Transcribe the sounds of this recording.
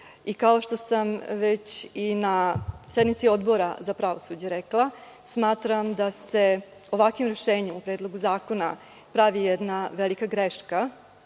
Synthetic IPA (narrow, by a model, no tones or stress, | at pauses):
ikao̞ʃt̪o̞samʋet͡ɕinased̪nmit̪sio̞d̪bo̞ɾa̰zapɾaʋo̞sud͡ʑeɾeklˠa | smaːt̪ɾamd̪ase̞ | o̞ʋakʋimɾeʃe̞ːɲemupɾeːd̪lˠo̞ɡuzaːko̞na | pɾaʋijɛd̪naʋelikaɡɾeʃka